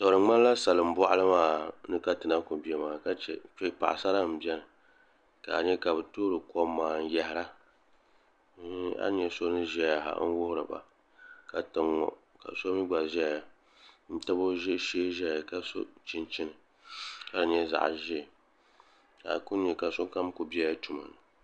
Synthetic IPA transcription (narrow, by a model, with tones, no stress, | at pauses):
to˨ɾɨ˨ŋ͡ma˦la˦sa˨lɨ˨m̩˦bɔ˦ʔlɨ˦maː˦nɨ˦ka˦tɨ˨na˦ku˨bi˨ɛ˨maː˨ka˦t͡ʃɛ̰˨k͡pɛ˦pa̰˨ʔsa˦la˦m̩˨bi˦ɛ˦nɨ˨ | ka̰˨ɲɛ˦ka˨bɨ˨toː˦ɾɨ˨kɔ˦mːaː˨n̩˦jɛ˨hɪ˦ɾa˦ | a̰˦ɲɛ˨so˦nɨ˦ʒɛ˦a˨ɦa̰˨˦n̩˦wʊ˦hʊ˦ɾɨ˨ba̰˨ | ka˨tɨ˨ŋːɔ̰˦ | ka̰˨so˦mi˦ɡ͡ba˨ʒɛ˦˨a˨ | n̩˦ta˦bo˦ʒɪ˦ʃeː˦ʒɛ˦˨a˨ka˨so̰˦t͡ʃɪ˦nt͡ʃi˦nɨ˨ | ka˦˨ɲɛ˦za̰˨ʔʒɪ˦˨ | ka̰˨kʊ˦ɲɛ˨ka˨so˦ka˦m˦ku˨bi˦ɛ˦ja˦tu˨ma̰˨nɨ˨